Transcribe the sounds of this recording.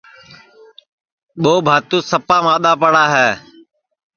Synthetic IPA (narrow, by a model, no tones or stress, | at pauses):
ɓoːbʱaːt̪uːsəpaːmãːɗ̪aːpəɽaːɦɛː